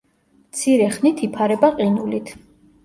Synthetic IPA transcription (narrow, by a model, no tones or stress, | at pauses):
mt̪sʰiɾɛχnit̪ʰipʰaɾɛbaqʼinulit̪ʰ